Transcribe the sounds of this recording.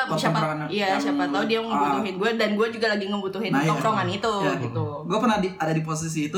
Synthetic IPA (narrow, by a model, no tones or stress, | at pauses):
ʃaapaaniasapat̪ːaudiaŋəbut̪uɦɪnɡuadanɡuad͡ʒuɡalaɡiŋəbut̪uɦɪnt̪ɔkɾoŋanit̪uɡit̪u | ɡuapərnahdiadadipos̬is̬iːt̪u